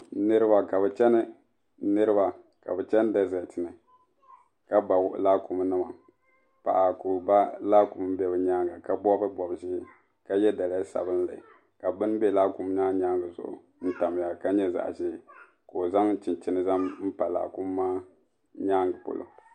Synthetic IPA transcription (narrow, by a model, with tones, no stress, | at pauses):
nɨ˦ɾɨ˦ba˨ka˨bɛ˨t͡ʃɛ˦nɨ˦ | nɨ˦ɾɨ˦ba˨ | ka̰˨bɨ˨t͡ʃɛ˦n˦da˦zɛ˨tɨ˨nɨ˨ | ka˦ba˨ɡlaː˦ku˨m˦nɨ˦ma˨ | pa̰˨ʔa˨ku˨ba˦la˦ku˨m˦bɛ˦bɨ˨ɲaː˦ŋɡa˨ka˦bɔ˦bɨ˦bɔ˨bʒɪ˦ | ka˦jɛ˦da˨la˦sa̰˨bɨ˦n˦la˨ɪ˨ | ka˨bɨ˦n˦bɛ˦la˦ku˦m˦ɲaː˦ɲaː˦ŋɡɨ˨zʊ̰˨ʔʊ̰˨ | n̩˦ta˨m˨ja˨ka˦ɲɛ˦za̰˨ʔʒɪː˦ | ko˨za˦ŋ˦t͡ʃi˨nt͡ʃɪ˦nɨ˦za˦mm̩˦pa˨la̰ː˨ku˦mː˦aː˦ | ɲa˦ŋɡa˨po̰˨lo̰˨